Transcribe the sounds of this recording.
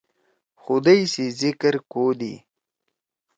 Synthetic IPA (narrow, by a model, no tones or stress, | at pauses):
xʊd̪ajsizɪkɾkod̪ḭ